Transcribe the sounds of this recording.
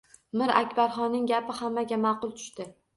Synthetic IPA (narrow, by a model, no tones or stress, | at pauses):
mɪɾa̰kʲbaɾχɒnːɪŋɡʲapɪhamːaɡʲamɑqʊlˠt̪ʰʊ̥ʃt̪ɪ